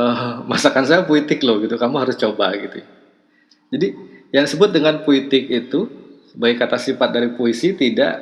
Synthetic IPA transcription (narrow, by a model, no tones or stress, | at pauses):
əmasakansajapoit̪ɪklʊhɡit̪ukamuɦaɾʊst͡ʃobaɡit̪u | d͡ʒadijaŋisəbʊt̪̚dəŋanpoit̪ɪk̚it̪usəbaɡakat̪asifat̪̚daɾipoisit̪ida̰ʔ